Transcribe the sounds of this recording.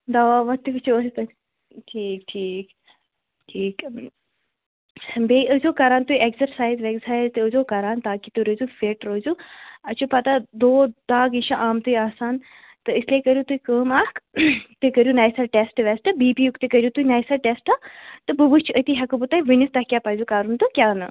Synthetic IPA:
d̪ɐʋaːʋɐt̪ikɨt͡ʃʰuost̪ɐ | ʈʰiːkʈʰiːk | ʈʰiːk | beːiʔəzoːkɐɾaːnt̪uekzɐɾsaːjzʋekzaːjzt̪ɨəzoːkɐɾaːnt̪aːkit̪uɾəzufeʈɾozuɐt͡ʃʰupɐt̪ad̪oːd̪aːɡiʃaʔaːmt̪ujaːsaːn | t̪ɨislekəɾjut̪uikəːmaːkt̪ɨkəɾjunaːjsɐʈesʈʋɛsʈɐbiːpiːjukt̪ɨkəɾjut̪uinaːjsaʈesʈat̪ɨbəbut͡ʃʰət̪iɦɐkubut̪aːiʋɨnist̪ɐhkʲjaːpaːzukaːɾunt̪ɨkʲaːnɨ

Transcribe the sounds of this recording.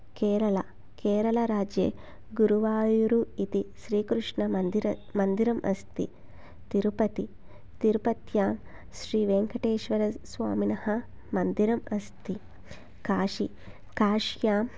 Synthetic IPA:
kɛːɾɐlɐ | kɛːɾɐlɐɾaːd͡ʒḛː | ɡuɾuʋaːjuɾuit̪iʃɾiːkɾuʂɳɐɾmɐnd̪iɾɐmʔɐ̰st̪ḭ | t̪iɾupɐt̪i | t̪iɾupɐt̪jaːm | ʃɾiːʋeːŋkɐʈeːʃʋɐɾɐsʋa̰ːminɐhɐ | mɐnd̪iɾɐmɐst̪i | kaːʂi | kaːʂjaːm

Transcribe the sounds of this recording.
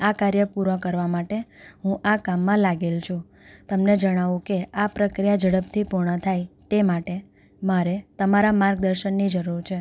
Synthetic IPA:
akaɾjəpuɾʋãkəɾʋamaʈeɦũʔakamːãlaɡelt͡ʃʰũ | t̪əmned͡ʒəɽ̃aʋũkeapɾəkɾijad͡ʒəɽəp̚t̪ʰipuɾɳət̪ʰajt̪emaʈe | maɾet̪əmaɾamaɾɡ̚d̪əɾʃənːid͡ʒəɾuɾt͡ʃʰe

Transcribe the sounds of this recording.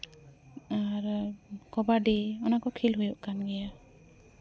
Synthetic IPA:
aɾkɔbadiɔnakɔkʰilɦujɔʔkanɡɛja

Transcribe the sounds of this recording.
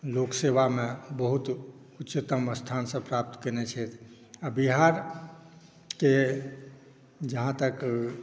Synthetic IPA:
lokseβamebəɦut̪ | utːt͡ʃət̪əməst̪ʰansə̃pɾap̚t̪kənet͡ʃʰɛt̪ʰ | abiɦaɾ | ke | d͡ʒəɦãt̪ək

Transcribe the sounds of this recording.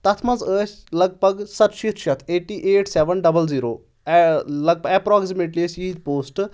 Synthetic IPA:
t̪ɐt̪ʰmɐnzəːsʲlɐɡ̚bʱɐɡsɐt̪ʃit̪ʃɐt̪ʰeːʈiːʔeːʈsɛʋənɖɐbəlziːɾoː | lɐɡ̚pɛːpɾɔːksimeːʈliəsiːd̪poːsʈ

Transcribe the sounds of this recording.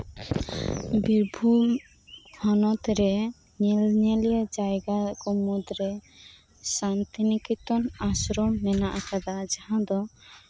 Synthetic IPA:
biɾbʱum | hɔnɔt̪ɾɛ | ɲɛlɲɛlijad͡ʒajɡakɔmud̪ɾɛ | sant̪inikit̪ɔnasɾɔmːɛnaʔakad̪ad͡ʒahãd̪ɔ

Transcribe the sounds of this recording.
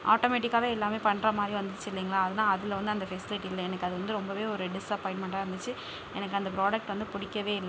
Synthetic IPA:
ʔa̰ːʈoːmeːʈ̬ɪkːaːʋeːɛlːaːmeːpɐɳːɾɐmaːd̪ɾiʋɐnd̪t͡ʃːɯɪlːiːŋɡɐɭaːɐðɐnãːɐðɪlʋɐnd̪ɯɐnd̪ɐfɛsɪlɪʈːiɪlːɐɛnɐkːɯɐðɯʋɐnd̪ɯɾɔmbɐʋeːɔɾɯɖɪsɐpɔːɪɳʈmɛɳʈaːɪɾɯnd̪ɯt͡ʃːɯ | ʔɛ̰nɐkːɯɐnd̪ɐpɾoːɽɐk̚ʈʋɐnd̪ɯpʊɽɪkːɐʋeːɪlːɛ

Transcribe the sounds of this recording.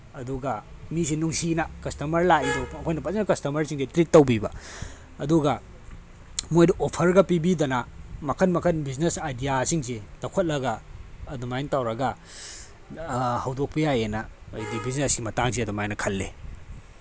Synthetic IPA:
ɐduɡɐmis̬inuŋsinɐkɐstɐmɐɾlaidoɐkʰojnɐpɐzenɐkɐstɐmɐɾsiŋsetɾitːɐwbibɐ | ɐduɡɐ | mojdɐʔopʰɐɾɡɐpibidɐnɐmɐkʰɐnmɐkʰɐnbiznesajdijasiŋsetɐkʰɐt̚lɐɡɐːdumajnɐtawɾɐɡɐ | hɐwdok̚pɐjajenɐjdibiznesɡimɐtaŋs̬iɐdumajnɐkʰɐlːḛ

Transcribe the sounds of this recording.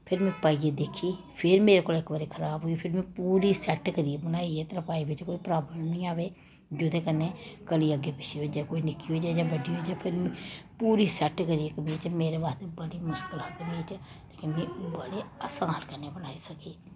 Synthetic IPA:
pʰɪɾmɛ̃ːpaːieːd̪eːkʰiː | pʰɪɾmeːɾeːkoːlɪkʋəɾeːkʰəɾaːbɦoːipʰɪɾmɛ̃ːpuːɾiːsɛʈkəɾiebənaːiet̪əɾəpaːibɪt͡ʃkoːiːpɾaːbləmnnĩːaːʋeː | d͡ʒʊd̪eːkənːeːkəliːəɡeːpɪʃeod͡ʒaːkoːinɪkːiːɦoːd͡ʒaːd͡ʒaːbəɖiːɦoːd͡ʒaːpʰɪɾmɛ̃puːɾiːsɛʈkəɾijekəbit͡ʃmeːɾeːbaːst̪ebəɽiːmʊʃkɪlɦaːk̪ənaːiːt͡ʃ | t̪aːkẽmɛ̃ːbəɽeːəsãːlkənːeːbənaːiːsəkeː

